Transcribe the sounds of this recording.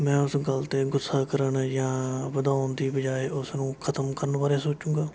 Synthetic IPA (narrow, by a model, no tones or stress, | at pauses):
mɛ̃ːʊsɡəlt̪eːɡʊsːaːkəɾəɳjãːbəd̪aːʊnd̪iːbəd͡ʒaːeːʊsnũːkʰət̪əmkəɾənʋaːɾeːsoːt͡ʃũːɡaː